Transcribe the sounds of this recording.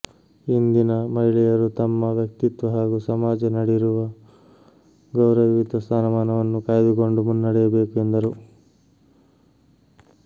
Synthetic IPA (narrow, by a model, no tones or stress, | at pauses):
ind̪inɐmɐɦiɭɛjɐɾut̪ɐmːɐʋjɐk̚t̪it̪ʋɐɦaːɡusɐmaːd͡ʒɐnɐɽiɾuʋɐ | ɡɐwɾɐʋiʋid̪ʱɐst̪aːnɐmaːnɐʋɐnːukaːjɐd̪uko̞ɳɖumunːɐɽɛjɐbe̞ːkue̞nd̪ɐɾu